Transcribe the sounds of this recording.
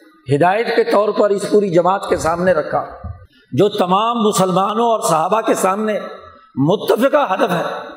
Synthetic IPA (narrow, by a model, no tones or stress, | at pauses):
ɦɪd̪aːjət̪ket̪ɔːɾpɐɾɪspuːɾid͡ʒɐmaːt̪kesaːmneɾɐkʰaː | d͡ʒoːt̪ɐmaːmːʊsəlmaːnõɔːɾsɐɦaːbakesaːmne | mʊt̪ːəfɪqaɦɐd̪əfɦɛː